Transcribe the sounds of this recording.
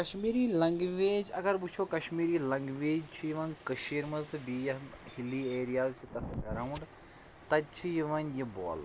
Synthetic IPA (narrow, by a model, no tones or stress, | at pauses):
kɐʃmiːɾiːlɐ̃ŋɡʋeːd͡ʒɐɡɐɾbut͡ʃʰoːkɐʃmiːɾiːlɐ̃ŋɡʋeːd͡ʒt͡ʃʰujiʋɐnkɐʃiːɾmɐzt̪ʰbiːjɐhiliːeːɾijaːzt͡ʃʰit̪ɐt̪ʰɡɐɾaːʋuɳɖ | t̪ɐt͡ʃʰijiʋɐnjibo̰ːl